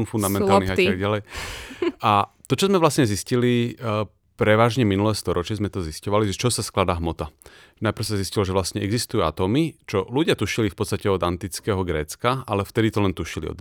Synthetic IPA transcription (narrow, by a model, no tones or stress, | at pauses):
nfund̪amɛnt̪alniat̪aɡɟalɛj | at̪ɔt͡ʃɔzmɛʋlasɲɛziscili | pɾɛʋaːʒɲɛminulɛːst̪ɔɾɔt͡ʃɪɛzmɛt̪ɔziscɔʋaliʒɛt͡ʃɔsasklad̪aːɦmɔt̪a | najpɾ̩ʊsaziscilɔʒɛʋlasɲɛɛɡzist̪ujua̰t̪ɔːmit͡ʃɔluɟɪat̪uʃilifpɔtt͡st̪acɛɔd̪ant̪it͡skɛːɦɔɡɾɛːt͡skaalɛft̪ɛd̪it̪ɔlɛnt̪uʃilḭɔ̰d̪